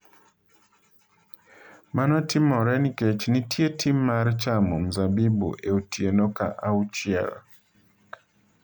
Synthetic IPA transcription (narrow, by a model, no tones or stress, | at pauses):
manɔtimɔɾɛniket͡ʃnitʰjetʰimːaɾt͡ʃamɔm̩zabibṵʔeutienoka̰ʔaut͡ʃɪɛ̰l